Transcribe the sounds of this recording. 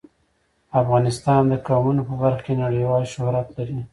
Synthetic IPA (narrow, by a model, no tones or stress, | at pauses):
afɣɑnɪst̪ɑnd̪əkɑmunopəbaɾxkenaɽəjwɑlʃʊhɾat̪laɾi